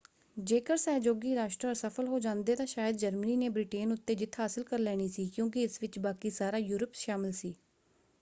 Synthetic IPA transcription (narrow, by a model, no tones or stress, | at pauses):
d͡ʒeːkəɾsɛːd͡ʒoːɡiːɾaːʃʈɾəɾsəpʰəlɦoːd͡ʒãːnd̪eːt̪ãːʃaːjəd̪d͡ʒəɾməniːneːbɾɪʈeːnʊt̪ːeːd͡ʒɪt̪ʰːɦaːsɪlkəɾlɛːɽ̃iːsiːkjõːkɪɪsʋɪt͡ʃbaːkiːsaːɾaːjuːɾəpʃaːmɪlsiː